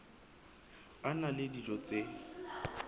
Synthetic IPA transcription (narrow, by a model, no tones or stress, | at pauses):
analɪdid͡ʒɔt͡sʼe